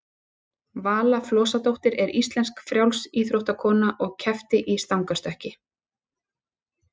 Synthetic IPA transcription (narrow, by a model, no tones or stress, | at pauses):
vaːlaflɔːsat̪owht̪ɪɾɛɾist̪lɛnskfɾjawlsiːθɾowht̪akʰɔːnaʔɔɣcʰɛft̪ɪʔist̪awŋkast̪œhcɪ